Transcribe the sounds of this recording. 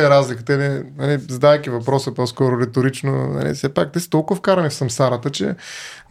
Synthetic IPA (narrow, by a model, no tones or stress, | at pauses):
ɛɾazlikət̪əinɛnɐ̰lizɐd̪ajkʲivɐpɾɔsəpɔskɔɾʊɾɛt̪ʊɾit͡ʃnonɐ̰lḭsɛpak̚t̪ɛsi̥t̪ɔlˠkʊvɐfkaɾɐnifsɐmsaɾət̪ət͡ʃɛ̰